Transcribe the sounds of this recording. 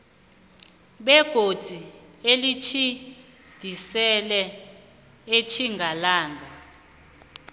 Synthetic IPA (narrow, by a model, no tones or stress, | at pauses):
ɓɛɡ̥ʱo̥d̥ʱielit͡ʃʰi | d̪̥ʱisɛlɛ | et͡ʃʰiŋɡʱalaːŋɡʱa